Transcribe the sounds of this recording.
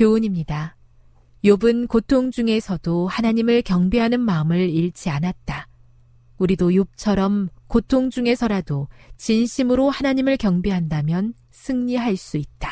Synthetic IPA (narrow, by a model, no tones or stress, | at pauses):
kjouɲimɲida | jobɯnkotʰoŋd͡ʑuŋe̞sʰʌdohanaɲimɯɭkjʌŋbiɦanɯnmaɯmɯɭiɭt͡ɕʰianat̚t͈a | uɾidojup̚t͡ɕʰʌɾʌmkotʰoŋd͡ʑuŋe̞sʰʌɾadot͡ɕinɕʰimɯɾohanaɲimɯɭkjʌŋbiɦandamjʌn | sʰɯŋɲiɦaɭs͈uit̚t͈ḁ